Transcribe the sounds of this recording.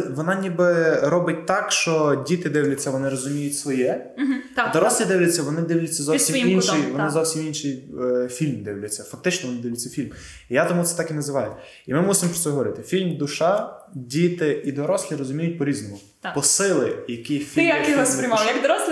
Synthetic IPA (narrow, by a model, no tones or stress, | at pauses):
ʋɔnɑnʲibɪɾɔbɪt̚ʲt̪ɑkʃt͡ʃɔdʲit̪ɪd̪ɪwlʲʊt͡sʲːɐʋɔnɪɾɔzʊmʲijʊtʲsʋɔjɛ | ɦ̩̪d̪ɔɾɔslʲˠɪd̪ɪwlʲɛt͡sʲːɐʋɔnɪd̪ɪwlʲʊt͡sʲːɐzɔsʲiminʃiʋɔnɪzɔwsʲiminʃifʲilʲmd̪ɪwlʲʊt͡sʲːɐfɐk̚t̪ɪt͡ʃnɔʋɔnɪd̪ɪʋwlʲɪt͡sʲːɐfʲilʲm | ijat̪ɔmut̪ɛ̥t̪ɑkinɐzɪʋɑjʊ | imɪmusɪmɔpɾɔt̪ɛɦɔʋɔɾɪt̪ɪfʲilʲmd̪ʊʃɑdʲit̪ɪid̪ɔɾɔslʲˠiɾɔzʊmʲijʊt̚ʲpɔɾʲiznɔmʊ | pɔsɪlˠɪjɐkɪfʲiɪjɐsɾʲmjɐkd̪ɾɔslʲ